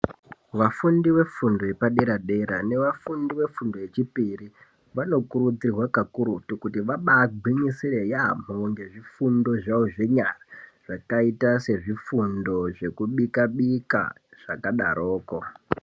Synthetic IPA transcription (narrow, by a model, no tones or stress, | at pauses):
ʋafundiwe̞fundo̞jepaɗeɾaɗe̞ɾa̰ne̞ʋafundiwe̞fundo̞e̞t͡ʃipiri | ʋano̞kuɾud͡zirwakakuɾutukutiʋaɓaɡʱiɲisire̞jam̤oŋɡe̞ʐifundo̞ʐaoʐe̞ɲaraʐ̥akaitase̞ʐifundo̞ʐe̞kuɓikaɓika̰ | ʐ̥akaɗa̰ɾo̞ːko̞